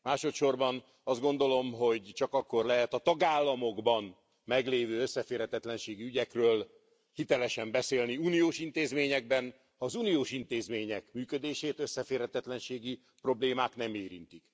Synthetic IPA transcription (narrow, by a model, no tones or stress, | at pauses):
maːʃo̞t̪ʃo̞rbɒn | ɒzd̪̚ɡo̞n̪d̪o̞lo̞mɦo̞ɟt͡ʃɒkɒkːo̞rlɛɦɛt̪ɒt̪ɒɡaːlːɒmo̞ɡbɒn | mɛɡleːvøːøsːɛfeːrhɛt̪ɛt̪lɛnʃeːɡiyɟɛkrøːl | hit̪ɛlɛʃɛmbɛseːlniuːnijoːʃint̪eːzmeːɲɛɡ̚bɛn | hɒːzunijoːʃint̪eːzmeːɲɛkmyːkød̪eːʃeːt̪øsːɛfeːrhɛt̪ɛt̪lɛnʃeːɡi | pro̞bleːmaːknɛmeːɾḭnt̪ik